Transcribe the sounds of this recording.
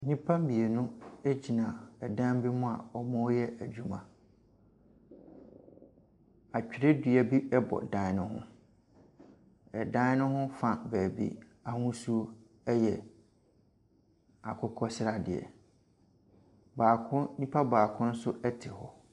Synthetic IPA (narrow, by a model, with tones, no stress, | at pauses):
nĩ˦pʰã˦m˦bi˨e˨nʊ̃˦e˦d͡ʑi˨nã˨ɛ˨dã˦m˦bi˦mʊ̃˦a̰˨ɔ˦mã˦jɛ˦æ˨d͡ʑᶣu˦mã˨ | a˨t͡ɕᶣi˨ɾe˦dɥæ˨bi˦ɛ˦bɔ̰˨dã˦nʊ̃˦ɦʊ̰̃˦ | ɛ˨dã˦n˦nʊ̃˦hʊ̃˦fa˨bæː˨bḭ˦a˨hʊ̃˦su˦o˦ | ɛ˦jɛ˨ | a˨kʰʊ˦kʰɔ˦sɪ˦ɾa˨dɪ̰˨ɛ̰˨ | baː˨kʰʊ̃˦nĩ˦pʰa˦baː˨kʰʊ̃˦n̩˦sʊ˦ʔɛ˦tʰɪ˨hɔ˦